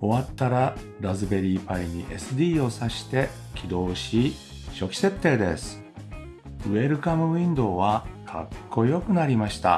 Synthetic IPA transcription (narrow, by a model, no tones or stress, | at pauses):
o̞βat̪ːaɾa | ɾazɨbe̞ɾʲiːpaiɲ̟iʔe̞sɨd̪ʲiːo̞saɕi̥t̪e̞ | kʲʰid̪o̞ːɕi | ɕo̞kʲi̥se̞t̪ːe̞ːd̪e̞̰sɨ̥ | ɯ̟e̞ɾɯ̟kamɯ̟βĩnd̪o̞ːβakʰa̰kʰːo̞jo̞kɯ̟naɾʲimaɕi̥t̪a̰